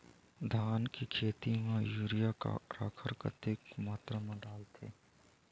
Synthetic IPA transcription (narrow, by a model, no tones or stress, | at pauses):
d̪ʱaːnkikʰeːt̪imẽjuːɾijaka̰ɾa̰kʰəɾkə̰t̪ekmaːt̪ɾəmẽɖaːlt̪ʰḛː